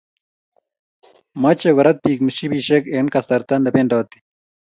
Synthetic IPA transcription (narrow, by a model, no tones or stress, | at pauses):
mɐt͡ɕeɡoɾɐt̪̚piːkmiɕibiːɕekeːnkɐst̪ɐɾt̪ɐndɐpenɖaːt̪i̥